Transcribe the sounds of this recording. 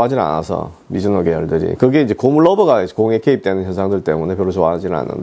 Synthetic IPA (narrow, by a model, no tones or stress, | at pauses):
ad͡ʑina̰na̰sʰʌ̰ | mid͡ʑunoɡejʌɭdɯɾḭkɯɡe̞ind͡ʑekomuɭːʌbʌɡakoŋekʰe̞ip̚t͈enɯnçjʌnsʰaŋdɯɭt͈e̞mune̞pjʌɾusʰowad͡ʑina̰nːɯ̰n